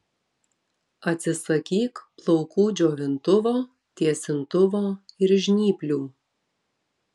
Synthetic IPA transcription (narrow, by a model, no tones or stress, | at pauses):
ɐt̪ʲsʲɪsɐkʲiːkplˠɔʊkuːd͡ʒʲoːʋʲɪnt̪ʊʋoː | t̪ʲiɛsʲɪnt̪ʊʋoːɪɾʒʲnʲiːpʲlʲuː